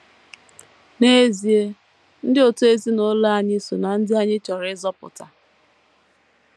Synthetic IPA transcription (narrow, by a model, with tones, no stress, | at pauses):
ne˦zi˨e˦ | n̩˦dɪ˦o˨tu˦e˦zi˦no˦la˦a˨ɲɪ˦so˨na˨n̩˦dɪ˦a˦ɲɪ˦t͡ʃɔ˨ɾɪ˨˦zɔ˦pʊ̰˨ta˨